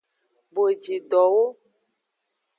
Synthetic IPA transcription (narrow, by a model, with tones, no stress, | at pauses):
bo˨e˨d͡ʒi˨ɖɔ˨wo˦